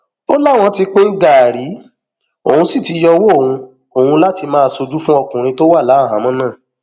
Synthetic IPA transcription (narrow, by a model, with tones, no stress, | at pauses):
o˦la˦˨w̃ɔ̃˧ti˧k͡pe˦n̩˦ɡa˦˨ɾi˨˦ | o˨hũ˧si˦˨ti˨˧jɔ˧wo˦o˦˨ũ˧ | o˨hũ˧la˦ti˧mãː˦˧˨so˧d͡ʒu˦fũ˦ɔ˧kũ˨ɾ̃ĩ˧to˦wa˦˨la˨˦˨ɦã˨˦mɔ̃˨˦nãː˦˨